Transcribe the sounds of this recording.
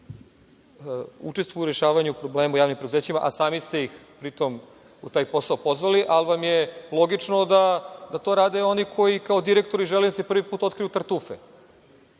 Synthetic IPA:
ṵt͡ʃe̞st̪ʋujuɾe̞ʃaːʋaɲuupɾobleːmujaːʋnimpɾed̪uzeːt͡ɕima̰ʔasaːmist̪e̞jixpɾit̪o̞m | ut̪aːjpo̞saopo̞zʋaliʔalʋamjelˠo̞ɡit͡ʃnod̪ad̪at̪o̞ɾaːd̪e̞o̞nikʰo̞jikao̞d̪iɾekt̪oɾiʒelenit̪epr̩ʋipuːt̪o̞t̪̚kɾijut̪aɾt̪uːfe

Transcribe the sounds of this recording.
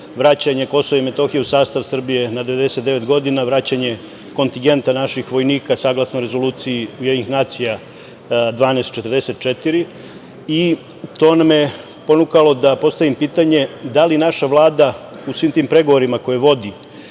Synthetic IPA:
ʋɾat͡ɕaɲe̞ko̞soʋaime̞t̪o̞xijeusaːst̪aʋsr̩bije̞nad̪eʋe̞d̪ese̞t̪̚d̪e̞ʋe̞t̪ɡo̞d̪inaʋɾat͡ɕaɲe̞ | ko̞nt̪iŋɡe̞nt̪anaʃixʋo̞jniːkasaːɡlˠasnoɾe̞zo̞luːt̪sijiujd̪ɲnixnaːt̪sija | d̪ʋaːnest̪t͡ʃe̞t̪ərd̪e̞se̞t̪̚t͡ʃet̪iɾi | i | t̪o̞namje̞ | po̞nukalo̞d̪apo̞st̪aʋimpiːt̪aɲe̞d̪alinaʃaʋlˠaːd̪a | usʋiːmt̪iːmpɾe̞ɡo̞ʋo̞ɾimako̞jeʋo̞d̪i

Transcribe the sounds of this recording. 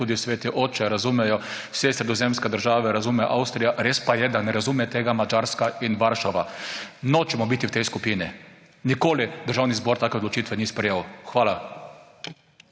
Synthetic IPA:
uːd̪iwsʋeːt̪iʔoːt͡ʃɛɾazumɛjɔwsɛsɾɛd̪ɔzemskɛd̪əɾʒaːʋɛɾazumɛʔawst̪ɾijaɾeːspajɛd̪anɛɾazumɛt̪eːɡamad͡ʒaɾskainʋaɾʃaʋanɔt͡ʃɛmɔbit̪iwt̪ɛjskupiːni | nikoːlid̪əɾʒaːwnizbɔɾt̪aːkɛod̪lɔt͡ʃiːt̪ʋɛnispɾɛjeːwxʋaːla

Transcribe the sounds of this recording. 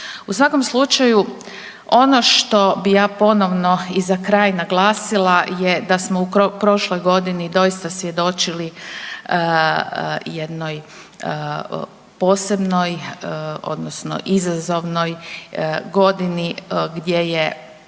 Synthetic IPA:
usʋako̞mslˠut͡ʃaju | o̞no̞ʃt̪o̞bijaːpo̞no̞ʋno̞izakɾaːjnaɡlˠaːsilˠajed̪asmo̞upɾo̞ʃlo̞jɡo̞d̪inid̪o̞jist̪asʋje̞d̪o̞t͡ʃili | jed̪no̞j | po̞ːse̞bno̞j | o̞̰d̪nosno̞̰ʔizazo̞ʋno̞j | ɡo̞d̪iniɡd̪je̞je

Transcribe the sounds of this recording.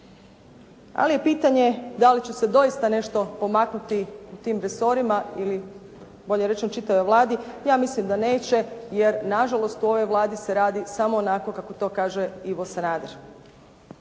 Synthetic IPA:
a̰lije̞piːt̪aɲe̞d̪alit͡ɕused̪o̞jist̪ane̞ʃt̪o̞po̞maknut̪iut̪iːmɾeso̞ɾimaili | bo̞ʎeɾet͡ʃemot͡ʃit̪aʋojʋlˠaːd̪ijaːmislimd̪ane̞ːt͡ɕe̞je̞ɾnaʒalˠo̞st̪uo̞ʋo̞jʋlˠaːd̪ise̞ɾaːd̪isamo̞ːnako̞kakot̪o̞ːkaːʒe̞iʋo̞sanaːd̪eɾ

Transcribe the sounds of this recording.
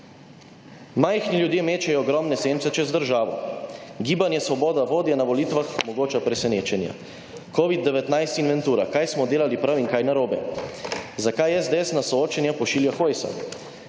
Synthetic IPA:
majxniljud̪jeːmeːt͡ʃɛjɔːɡɾɔmnɛseːnt̪sɛt͡ʃɛzd̪əɾʒaːʋɔ̰ɡiːbanjɛsʋɔbɔːd̪aʋoːd̪janaʋɔliːt̪ʋaxmɔɡoːt͡ʃapɾɛsɛneːt͡ʃɛnja̰ | koːʋid̪ːɛʋɛt̪najst̪inʋɛnt̪uːɾakajsmɔd̪eːlalipɾawiŋkajnaɾoːbɛ | zakajɛzd̪eɛsnasɔoːt͡ʃɛnjapɔʃiːljaxojsa̰

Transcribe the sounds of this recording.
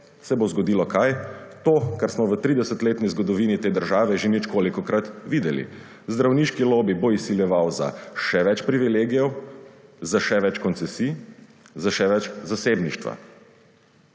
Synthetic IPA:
sɛbozɡɔd̪iːlɔkajt̪oːkaɾsmɔʋət̪ɾid̪ɛsət̪leːt̪nizɡɔd̪ɔʋiːnit̪eːd̪əɾʒaːʋɛʒenit͡ʃkoːlikɔkɾat̪ʋiːd̪ɛlḭ | zd̪ɾawniːʃkiloːbiboisiljɛʋawza̰ʃɛʋɛt͡ʃpɾiʋileːɡijɔw | zaʃɛʋɛt͡ʃkɔnsɛsiː | zaʃɛʋɛt͡ʃzaseːbniʃt̪ʋa̰

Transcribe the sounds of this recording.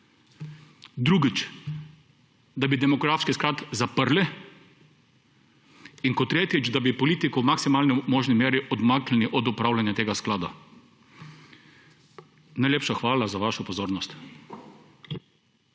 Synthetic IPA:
d̪ɾuɡit͡ʃ | d̪abid̪ɛmɔɡɾaːfskisklaːt̪zapəɾlɛ | iŋkɔt̪ːɾeːt̪jit͡ʃd̪abipɔliːt̪ikɔwmaksimaːlnɛmɔːʒnimeːɾiʔɔd̪maklɛniʔɔd̪upɾaːwlanjat̪eːɡasklaːd̪a | najlʲeːpʃaxʋaːlazaʋaːʃɔpɔzoːɾnɔst̪

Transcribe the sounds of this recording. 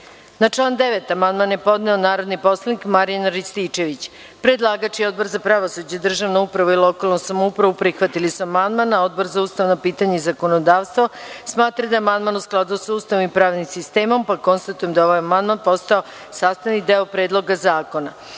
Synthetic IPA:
nat͡ʂlˠaːnd̪eʋet̪amand̪manjepo̞d̪nɛonaːɾo̞d̪nipo̞slˠanikmaɾijanaɾist̪it͡ʃe̞ʋit͡ɕ | pɾed̪lˠaːɡat͡ʃio̞d̪̚bo̞ɾzapɾaʋosud͡ʑed̪r̩ʒaʋnoupɾaʋuilˠo̞kalˠnosamoupɾaʋupɾixʋat̪ilisuamand̪manaod̪bo̞ɾzaust̪aʋnopiːt̪aɲeizako̞nod̪aːʋst̪ʋo | smaːt̪ɾad̪aamand̪manusklˠad̪usust̪aʋonmipɾaːʋnimsist̪eːmo̞mpako̞nst̪at̪ujemd̪ao̞ʋajamand̪manpo̞st̪ao̞ | saːst̪anid̪eopɾeːd̪lˠo̞ɡazaːko̞na̰

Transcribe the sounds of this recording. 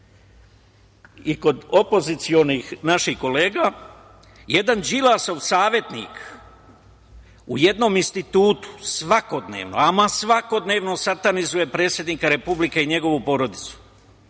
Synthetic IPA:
iko̞d̪opo̞zit̪sio̞nixnaʃixko̞le̞ːɡa | je̞d̪and͡ʒilaso̞ʋsaːʋje̞t̪nḭk | uje̞d̪no̞minst̪it̪uːt̪u̥sʋako̞d̪ne̞̰ːʋno̰amasʋako̞d̪ne̞ːʋno̞sat̪anizuje̞pɾe̞ːt̪sjed̪niːkaɾe̞publikeiɲe̞ɡo̞ʋupo̞ɾo̞d̪it̪su̥

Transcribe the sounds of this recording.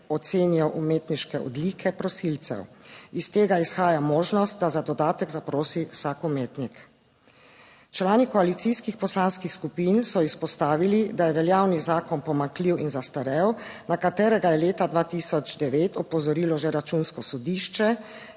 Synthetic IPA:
ɔt̪seːnijɔʔumeːt̪niʃkɛɔ̰d̪liːkʰɛpɾɔsilt̪sɛ̰wist̪eːɡaisxaːjamoːʒnɔst̪̚d̪azad̪ɔd̪aːt̪ɛɡzapɾoːsiwsaːkumeːt̪nik | t͡ʃlaːnikɔalit̪siskixpɔslaːnskixskupiːnsɔispɔst̪aːʋilid̪ajɛʋɛljaːwnizaːkɔnpɔmaŋkliwinzast̪aɾɛwnakat̪eːɾɛɡajɛleːt̪ad̪ʋaːt̪isɔd͡ʒd̪ɛʋeːt̪ɔpɔzɔɾiːlɔʒɛɾat͡ʃunskɔsɔd̪iːʃt͡ʃɛ

